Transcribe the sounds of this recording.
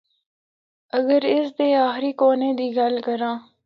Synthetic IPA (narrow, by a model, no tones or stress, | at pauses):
ɐɡəɾɪs̬d̪eːaːxɾiːkoːnẽːd̪iːɡɐlkəɾãː